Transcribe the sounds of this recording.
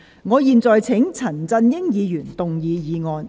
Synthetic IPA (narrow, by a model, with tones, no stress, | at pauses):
ŋɔː˨˧jiː˨˧nt͡sɔː˨jt͡sʰɪ˨˥ŋt͡sʰɐ˨˩nt͡sɐ˧njɪ˥ŋjiː˨˧jyː˨˩nt̪ʊ˨ŋjiː˨˧jiː˨˧ŋɔː˨˧n